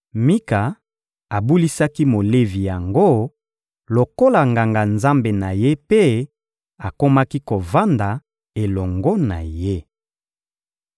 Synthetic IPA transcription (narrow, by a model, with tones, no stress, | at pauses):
mi˦ka˨ | a˨bu˦li˦sa˦ki˦mo˨le˦vi˨ja˨ŋɡo˦ | lo˨ko˦la˨ŋɡa˨ŋɡa˨nza˦mbe˨na˨je˦pe˦ | a˨ko˦ma˦ki˦ko˨va˦nda˨ | e˨lɔ˨ŋɡɔ˦na̰˨je˦